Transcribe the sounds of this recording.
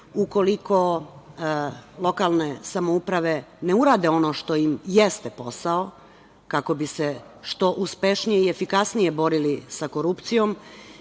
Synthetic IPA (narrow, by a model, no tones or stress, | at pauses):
uko̞liko̞ | lˠo̞kalˠne̞samoupɾaʋe̞ne̞uɾaːd̪e̞o̞no̞ʃt̪o̞imjest̪epo̞sao | kako̞bise̞ | ʃt̪o̞ʔuspe̞ʃnijeiefikasnije̞bo̞ɾilisako̞ɾupt̪sijo̞m